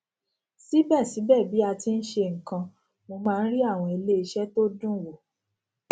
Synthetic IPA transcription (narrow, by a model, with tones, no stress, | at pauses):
si˦bɛ˦˨si˨˦bɛ˦˨bi˨˦a˧ti˧n̩˦ʃe˧ŋ̩˨kã˧ | mo˧mãː˧n̩˦ɾi˦a˦˨w̃ɔ̃˧i˧le˦i˧ʃɛ˦to˦dũ˦˨wo˨